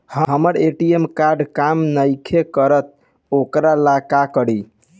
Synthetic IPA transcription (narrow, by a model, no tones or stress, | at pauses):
həɦəməɾeʈiemkaɾɖkamnəjkʰekəɾət̪̚ | okɾalakakəɾi